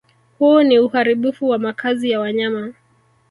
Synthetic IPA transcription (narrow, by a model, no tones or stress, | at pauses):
huɔniuhaɾiɓufuwamakʰazijawaɲama